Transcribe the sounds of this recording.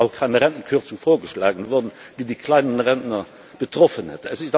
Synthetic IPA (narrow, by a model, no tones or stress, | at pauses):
ɑʊkʰaɪnəʁɛnt̪n̩kʰøːʁt̪sufoːɡəʃlɑ̰ːɡənəʋɔʁdn̩ | d̥̪iːd̪iːkʰlæɪnənʁɛnt̪nɐ | b̥ət̪ʰʁɔfənhɛt̪ʰəæsɪ